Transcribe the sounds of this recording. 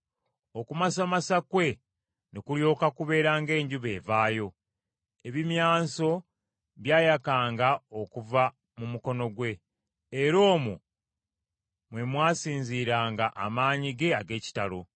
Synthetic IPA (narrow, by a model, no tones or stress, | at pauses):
o̞kumasamasakwe̞ | nekuljo̞ːkakuβe̞ːɾaːŋɡe̞ːɲɟuβe̞ːvaːjo̞ | e̞βimjaːso̞ | βjaːjakaːŋɡao̞kuva | mumuko̞no̞ɡwe̞ː | ɾo̞ːmu | mwe̞mwaːsiːɲziːɾaːŋɡaʔamaːɲiɡe̞aɡe̞ːci̥talo̞